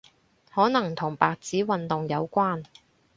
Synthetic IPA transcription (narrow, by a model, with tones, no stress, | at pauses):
hɔː˨˥nɐ˨˩ŋt̪ʰʊ˨˩ŋpaː˨k̚t͡siː˨˥wɐ˨nt̪ʊ˨ŋjɐ˨˧wkʷaː˥n